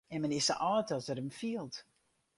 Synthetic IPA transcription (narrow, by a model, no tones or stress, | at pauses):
ɛnmənɪsəʔɔːtɔsəɾəmfiəlˠt